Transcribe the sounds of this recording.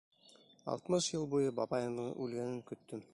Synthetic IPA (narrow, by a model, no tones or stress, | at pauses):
ɑ̰lˠt̪mɤʃjɤlˠbujɤbɑbɑjɤnd̪ɤʔʉlɡænɘŋkɵ̆t̪ːɵm